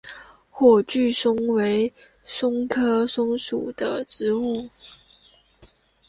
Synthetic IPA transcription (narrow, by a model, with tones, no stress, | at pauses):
xwɔ˥˩t͡ɕy˥˩ʂʊ˥ŋwe˧˥ɪ | ʂʊ˥ŋkʰɤ˥ʂʊ˥ŋʂu˨˩d̪̥ə˦ʈ͡ʂɻ̩˧˥u˥˩